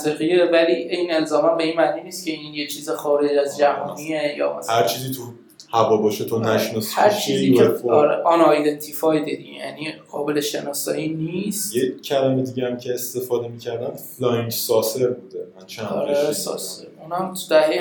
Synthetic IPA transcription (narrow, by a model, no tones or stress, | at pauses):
ziɣijevæliiːne̞lzɒːmæmbe̞iːnmæniːniːst̪cʲʰe̞iːnjet͡ʃʰiːzexɒːɾe̞d͡ʒæzd͡ʒæɦɒ̰ːniejɒ̰ːhæɾt͡ʃʰiːzit̪ʰu | hævɒːbɒʃet̪ʰonæʃnɔshæɾt͡ʃʰiːzieɒɾeʔɒnɒjd̪ent̪ʰifɒjd̪id̪iɟejæ̰niɢɒːbe̞leʃe̞nɒːsɒ̰ːjiːniːst̪jecʰælæmed̪iːɟeæmcʰeːst̪e̞fɒːd̪e̞miːcʰæɾd̪æmflɒjnt̪sɒːseɾbuːd̪emænt͡ʃʰænɒ̰ɾesɒ̰ːseɾuːnæmt̪ʰud̪̥æhe